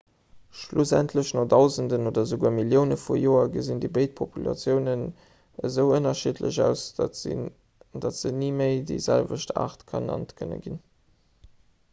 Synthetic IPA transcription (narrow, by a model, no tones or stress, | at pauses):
ʃlusæ̰ntʰləɕnoχdɑʊzəndənoːdɐzəɡuːɐmiljəʊnəfujoːɐɡəzindəbəɪt̚pʰopulɑ̰t͡sjəʊnən | əzəʊənɐʃitʰlə̰ɕɑʊs | dɑtz̥əniməɪdḭɪzælvəʃta̰ːχtkʰɑnɑ̰ntkʰənə̰ɡin